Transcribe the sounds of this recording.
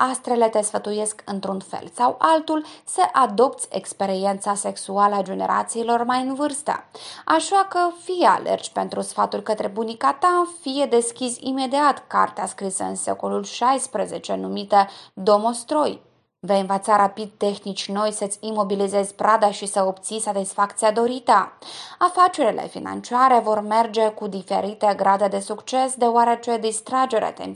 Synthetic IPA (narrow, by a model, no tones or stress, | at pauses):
ast̪ɾele̞t̪e̞sfət̪uje̞skɨnt̪ɾunfe̞̰lsawʔalt̪ulsəʔad̪o̞pt̪sʲḛkspe̞ɾie̞nt̪sase̞ksualəad͡ʒe̞ne̞̰ɾʔa̰t̪siːlo̞rmajɨnvɨrst̪ə̰aʃakəfijea̰lḛrd͡ʒpe̞nt̪ɾusfat̪urʲkət̪ɾe̞bunikat̪afije̞d̪e̞skʲisʲḭme̞d̪iat̪ka̰rt̪easkɾisəɨ̰nse̞̰ko̞lulʃajspɾeze̞t͡ʃe̞numit̪əd̪o̞most̪ɾo̞j | vejɨnvət̪saɾapid̪̚t̪e̞xnit͡ʃʲno̞jsət̪sʲimo̞bilize̞zʲpɾad̪aʃisəobt̪sisat̪isfakt̪siad̪o̞ɾit̪əafat͡ʃe̞ɾilḛfḭna̰nt͡ʃiaɾe̞vo̞rme̞rd͡ʒe̞kud̪ife̞̰ɾit̪e̞ɡɾad̪e̞d̪e̞sukt͡ʃe̞sd̪e̞oaɾe̞t͡ʃe̞d̪ist̪ɾad͡ʒe̞ɾḛt̪ḛm